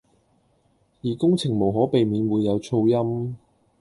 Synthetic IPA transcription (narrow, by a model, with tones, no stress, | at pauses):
jiː˨˩kʊ˥ŋt͡sʰɪ˨˩ŋmo˨˩wɦɔː˨˥pe˨jmiː˨˧nwuː˨˧jːɐ˨˧wt͡sʰo˧wjɐ˥m